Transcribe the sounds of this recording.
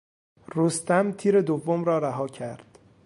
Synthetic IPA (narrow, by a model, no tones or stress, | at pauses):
rost̪æmt̪ʰiːɾe̞d̪ovːomɾɒːɾæɦɒːcʰæɾd̪̥